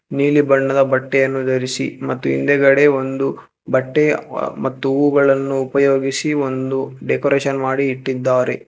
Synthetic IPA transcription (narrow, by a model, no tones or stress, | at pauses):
niːlibɐɳːɐd̪ɐbɐʈːɛjɐnːud̪ɐɾisḭmɐt̪ːuḭnd̪ɛɡɐɽe̞o̞nd̪u | bɐʈːemɐt̪ːuuɡɐɭɐnːuːpɐjo̞ːɡisio̞nd̪uɖekoɾeːʃɐnmaːɽiːʈːid̪ːaːɾe̞̰